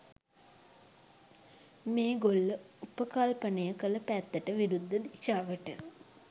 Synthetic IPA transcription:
meːɡolːə | upəkalpənejəkələpæt̪ːəʈəʋiɾud̪ːəd̪iʃaːʋəʈə

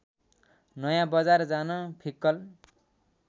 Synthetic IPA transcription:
nʌjãbʌd͡zard͡zanʌpʰikːʌl

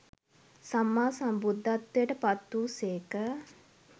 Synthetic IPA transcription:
samːaːsambud̪ʱːat̪ːjəʈəpat̪ːuːseːkə

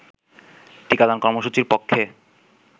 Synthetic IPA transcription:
ʈikad̪ankɔɾmoʃut͡ɕiɾpokʰːe

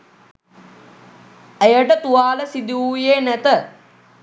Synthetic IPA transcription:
ejəʈət̪uaːləsid̪iuːjeːnæt̪ə

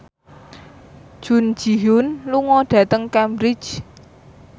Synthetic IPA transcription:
ʒ̥ṳn̥d͡ʒ̥i̤ɦʊnluŋɔɖ̥ä̤t̪əŋkambɾɪ̥t͡ʃ

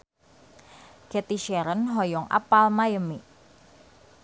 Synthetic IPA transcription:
kɛt̪iʃɛɾənɦɔjɔŋʔa̰palmajəmi

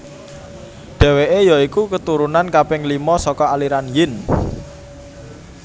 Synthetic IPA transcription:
ɖ̪̥ɛ̤weʔejɔikukət̪uɾunankapɪŋlimɔsɔkɔaliɾanjɪn

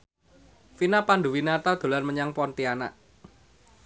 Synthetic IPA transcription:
finapandṳwinat̪ad̪̥o̤lanməɲaŋpɔnt̪iana̰ʔ

